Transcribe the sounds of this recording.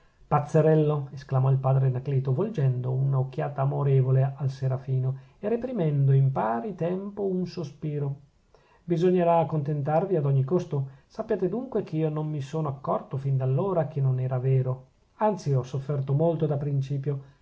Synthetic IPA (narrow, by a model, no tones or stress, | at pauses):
pat̪sːeɾɛlːoesklamɔilpaːd̪ɾenakliːt̪ovold͡ʒɛnd̪ounaok̟ːjaːt̪aːmoɾeːvolealseɾafiːnoerepɾimɛnd̪oimpaːɾit̪ɛmpounsospiːɾo | bizoɲːeɾaːkont̪ent̪arviad̪ɔɲːikost̪osapːjaːt̪ed̪uŋkwekʰeiːonomːisoːnoakːɔrt̪ofind̪alːoːɾakʰenːonɛːɾavɛːɾo | ant̪siɔsːofːɛrt̪omolt̪od̪apɾint͡ʃiːpjo